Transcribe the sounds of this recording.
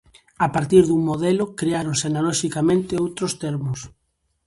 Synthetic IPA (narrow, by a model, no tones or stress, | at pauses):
apaɾt̪iɾðuŋmoðɛlʊkɾeaɾoŋseanalɔʃikamẽnt̪ɪowt̪ɾost̪ɛɾmʊs